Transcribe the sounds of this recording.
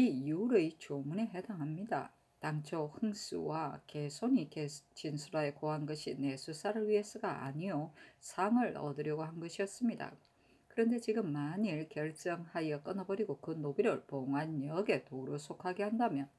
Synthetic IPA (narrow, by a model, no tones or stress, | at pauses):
iiuɾɯit͡ɕomune̞ɦe̞daŋɦamɲida̰ | taŋt͡ɕʰohɯŋs͈ṵwake̞sʰoɲiet͡ɕinsʰuɾae̞koɦanɡʌɕʰine̞sʰus͈aɾɯɭɥie̞s͈ɯɡaʔa̰ɲijosʰaŋɯɾʌ̰dɯɾjʌɡoɦanɡʌɕʰiʌs͈ɯmɲida̰ | kɯɾʌnde̞t͡ɕiɡɯmːaɲiɭkjʌɭt͡ɕ͈ʌŋhajʌk͈ɯnʌbʌɾiɡokɯnobiɾɯɭpoŋaɲʌɡe̞toɾosʰokʰaɡe̞handamjʌn